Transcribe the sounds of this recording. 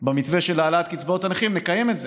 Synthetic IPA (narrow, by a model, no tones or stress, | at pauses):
bemit̪ve̞ʃelaːlat̪kit͡sbao̞tanaχimnekaje̞metze